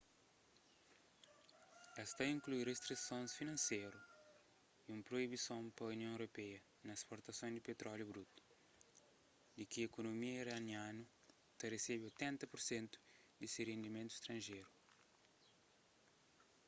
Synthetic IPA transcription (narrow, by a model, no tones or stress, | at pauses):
ɛst̪ɐĩŋklujrest̪ɾisõnsfinɐ̃nsejɾu | iũmpɾoibisõmpɐuniõewɾopɛjɐ | nɐespoɾt̪ɐsõd̪ipet̪ɾɔljubɾut̪u̥ | d̪ikiekonomiɐiɾɐnjãnu | t̪ɐreseβiojt̪ɛ̃nt̪ɐpuɾsẽnt̪u̥ | d̪isirẽnd̪imẽnt̪ui̥st̪ɾɐ̃nʒejɾu